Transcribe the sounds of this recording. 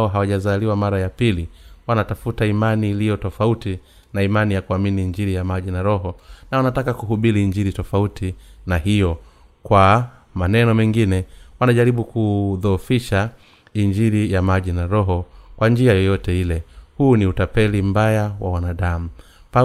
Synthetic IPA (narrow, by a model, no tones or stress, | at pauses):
ɔɦawaʄazaliwamaɾajapiliwanatafutaimaniːlijɔtɔfauti | naimanijakuaminiːɲd͡ʒiɾijamaʄinaɾɔɦɔnawanatakakuɦuɓiliːɲd͡ʒiɾitɔfautʰinahijɔ | kwa | manɛnɔmɛŋɡinɛwanaʄaɾiɓukuðɔfiʃa | iɲd͡ʒiɾijamaʄinaɾɔɦɔkwand͡ʒiajɔjɔtɛilɛhuːniutapɛlim̩bajawa̰wanaɗamu | pa